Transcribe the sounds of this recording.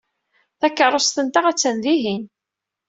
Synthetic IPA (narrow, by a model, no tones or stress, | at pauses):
θækːəɾˤːost̪ənt̪aʁæt͡sːænðiɦin